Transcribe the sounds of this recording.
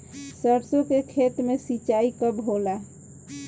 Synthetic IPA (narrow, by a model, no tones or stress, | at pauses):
səɾsokekʰet̪mesit͡ʃaikəbɦola